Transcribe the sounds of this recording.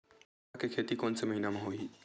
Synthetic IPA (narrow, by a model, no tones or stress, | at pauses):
akekʰeːt̪ikɔːnsemɐɦiːnamẽɦoːiː